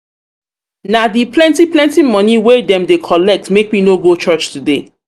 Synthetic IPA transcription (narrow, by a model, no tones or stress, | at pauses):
nadiplɛ̃ntiplɛ̃ntimɔniwedɛ̃mdekʰɔlɛk̚tmek̚minoɡot͡ʃɜt͡ʃtude